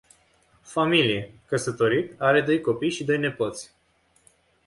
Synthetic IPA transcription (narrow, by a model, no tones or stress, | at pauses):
familije̞kəsət̪o̞ɾit̪aɾe̞d̪o̞jko̞pijʃid̪o̞jne̞pot̪sʲ